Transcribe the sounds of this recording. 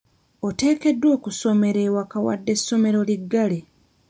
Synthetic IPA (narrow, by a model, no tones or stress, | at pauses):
ote̞ːke̞dːwo̞ːkuso̞me̞ɾe̞ːwakawa̰dːe̞sːo̞me̞ɾo̞liɡːale